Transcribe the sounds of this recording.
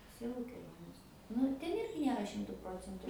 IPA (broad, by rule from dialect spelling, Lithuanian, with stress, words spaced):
ˈsʲiɛlˠʊ kʲɛˈlʲoːnʲeːs nʊ ɪr ˈtʲɛn ˈɪrʲɡʲɪ ˈnʲiɛrɐ ˈʃʲɪmtʊ ˈproːt͡sʲɛntʊ